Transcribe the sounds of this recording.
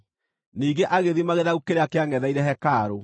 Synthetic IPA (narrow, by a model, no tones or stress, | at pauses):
niːɡeʔaɣeðimaɣeðaɣukeɾeakeaŋɛðaiɾɛɦɛkaːɾo